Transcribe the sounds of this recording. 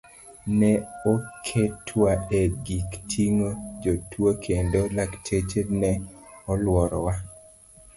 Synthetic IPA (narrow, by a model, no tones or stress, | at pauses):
nɛokʰetʰwaɛɡiktʰiŋod͡ʒotwokʰendolaktʰet͡ʃenɛɔlwɔɾɔwa